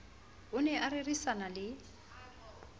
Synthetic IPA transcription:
ʊnɛʔarɪrisanalɪ

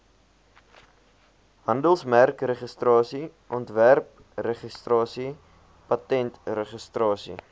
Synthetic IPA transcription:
ɦɐndəlˠsmærkrəχəstrɑːsi | ʔɔntværp̚ | rəχəstrɑːsi | pɐtɛntrəχəstrɑːsḭ

